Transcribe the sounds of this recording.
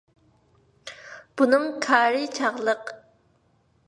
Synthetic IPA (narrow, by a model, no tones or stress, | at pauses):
b̥unɨŋkʰɑːɾit͡ʃʰɑʁlˠəq